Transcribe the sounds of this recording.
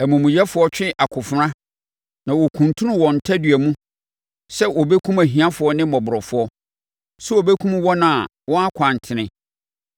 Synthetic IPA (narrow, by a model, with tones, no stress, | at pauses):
æ˨mũ˨mũ˨jɛ˦fʊ˨˦ɔ˦t͡ɕᶣɪ̃˦ʔa˨kʰʊ˨fʊ˦ɾã˦ | nã˨wɔ˨kʰũ˨ntʰũ˦nʊ̃˦wɔ̃˨n̩˨tʰa˦dɥæ˨mũ˦ | sɛ˦ʔɔ˨be˦kʰũ˦mæ˨ɦĩ˨ã˦fʊ˨ɔ˦nɪ̃˦mɔ˨bʊ˨ɾɔ˨fʊ˨ɔ˦ | su˦o˨be˦kʰũ˦mwɔ˦nã˨a˨wɔ̃˦a˦kʰã˨n̩˨tʰɪ˨nɪ̃˦